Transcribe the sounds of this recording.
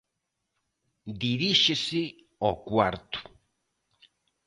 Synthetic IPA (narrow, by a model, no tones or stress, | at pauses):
d̪iɾiʃesi | okwaɾt̪u̥